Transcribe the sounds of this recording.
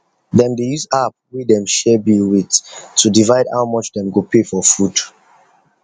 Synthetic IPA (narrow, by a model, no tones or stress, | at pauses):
dɛ̃mdejuzap̚widɛ̃mʃɛbiwittːudivaɪdha̰ʊmɔt͡ʃdɛ̃mɡopʰefɔfɹud